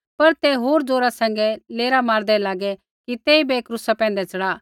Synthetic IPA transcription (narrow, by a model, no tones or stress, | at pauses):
pɐɾt̪ɛɦoːɾd͡zoːɾasɛ̃ːŋɡɛleːɾamaːɾd̪ɛlaːɡɛ | kit̪eːibeeːkɾʊsapɛ̃ːn̆d̪ɛt͡sɐɽaː